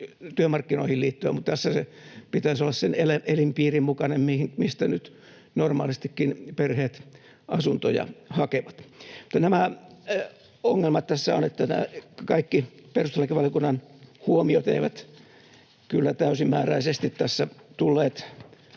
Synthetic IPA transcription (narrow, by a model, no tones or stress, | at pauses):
t̪yømɑrkːino̰ihilliːt̪ːyæ̰mut̪t̪æsːæsepit̪æisolːɑsseneleʔelimpiːrimmukɑnemmihimist̪ænyt̪ | normɑ̰ːlist̪ikːinperheːt̪ | ɑsunt̪o̰jɑ̰hɑkeʋɑt̪mu̥t̪ːɑnæmæ | oŋːelmɑt̪t̪æsːæonet̪ːænæ̰ːkɑikːiperust̪elækiʋɑljokunːɑnhuomiot̪ḛiʋæt̪ | kylːæt̪æysimːæːræisest̪it̪t̪æsːæt̪ulːeːt̪